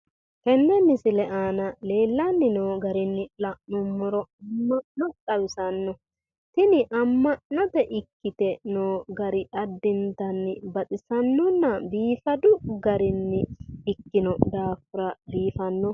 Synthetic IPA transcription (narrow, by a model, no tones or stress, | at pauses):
kɛnːɛnːɪsɪlɛʔaːnɐle̞ːlːɐnːɪnoːɡɐɾɪnːɪlɐʔnʊmːɔɾɔɐmːɐʔnɔtʼɐwɪsɐnːɔ | t̪ɪnɪʔɐmːɐʔnɔt̪ɛʔɪkːɪt̪ɛnoːɡɐɾɪʔɐd̪ːɪnt̪ɐnːɪbɐt̪ʼɪsɐnːɔnːɐbiːfɐd̪ʊɡɐɾɪnːɪːkːɪnɔd̪aːfʊɾɐbiːfɐnːɔ